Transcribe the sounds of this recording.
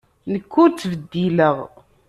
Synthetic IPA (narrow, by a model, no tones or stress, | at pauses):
nəkːut͡sːvəd̪ːiləʁ